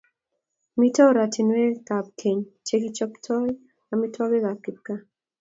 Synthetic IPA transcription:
mi˦tʰɔ˦ɾa˨tʰi˨nwe˦ka˨p̚kʰe˨ɲt͡ʃʰeki˦t͡ʃɔ˦ktʰɔ˦j | ami˦tʰɔ˦be˦ɡa˨ki˨p̚ka˦

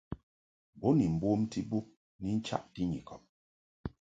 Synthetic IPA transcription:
bɔ˨˦ni˨m̩˨bo˦mti˦bu˦p̚ | ni˦n̩˦t͡ʃa̰˦ʔti˦ɲḭ˨kɔ˨p̚

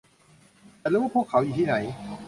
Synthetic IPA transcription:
aː˨˧ɾuː˦waː˥˩pʰu˥˩kʰːa˩˦wjiː˨˩t̪ʰiː˥˩na˩˦j

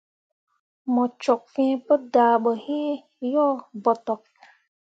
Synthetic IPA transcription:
mɔ˨t͡ʃɔ˨k̚fɛ̃ː˦pə˦daː˨ɓɔ˨hẽ˦ | jɔ˦bɔ˨tɔ˨k̚

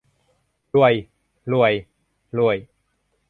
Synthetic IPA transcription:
lu˧˩əj | lu˧˩əj | lu˧˩əj

